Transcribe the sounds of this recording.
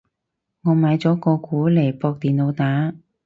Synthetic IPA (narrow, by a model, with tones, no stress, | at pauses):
ŋɔː˨˧maː˨˧jt͡sɔː˨˥kɔː˧kuː˨˥le˨˩jpɔː˧k̚t̪iː˨nlo˨˧wt̪aː˨˥